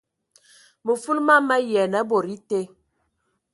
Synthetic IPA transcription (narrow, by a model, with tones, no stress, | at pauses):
mə˨fu˦lma˦mɛ˦jɛ˨nɛ˦bo˨ɾi˦te˦